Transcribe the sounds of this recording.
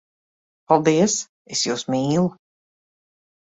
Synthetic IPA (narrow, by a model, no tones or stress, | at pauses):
palˠd̪iɛs | esjuːsmiːlˠu